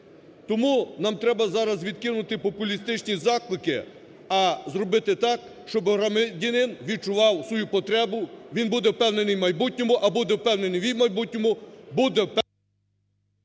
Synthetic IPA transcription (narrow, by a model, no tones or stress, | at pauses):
t̪ɔmunɑmt̪ɾɛbɐzɑɾɐzʋʲid̪̚kɪnʊt̪ɪpɔpʊlʲist̪ɪt͡ʃnʲizɑklˠɪkɪ | ɐzɾɔbɪt̪ɪt̪ɑk | ʃt͡ʃɔbɾɐmɪdʲinɪnʋʲid̪̚t͡ʃʊʋɑwsʋɔjupɔt̪ɾɛbʊʋʲinbud̪ɛwpɛwne̞nɪjmɐjbutʲnʲɔmʊʔɐbud̪ɛwpɛwne̞nɪjʋʲijmɐjbutʲnʲɔmʊbud̪ɛwp